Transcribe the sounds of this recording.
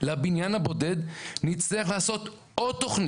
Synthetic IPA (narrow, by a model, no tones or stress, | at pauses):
labinjanhabo̞de̞d̪nit͡sliaχlaːso̞t̪ | od̚t̪ːoχni